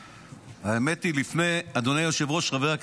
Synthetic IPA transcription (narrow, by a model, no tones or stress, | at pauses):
aeme̞t̪ilifne̞jad̪onejoʃevʁo̞ʃʁaveak